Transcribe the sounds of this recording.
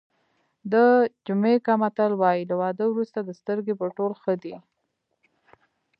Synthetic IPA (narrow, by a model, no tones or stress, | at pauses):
d̪əd͡ʒʊmekɑmat̪alwɑjilawɑd̪əwɾust̪ad̪əst̪əɾɡepəʈolxəd̪i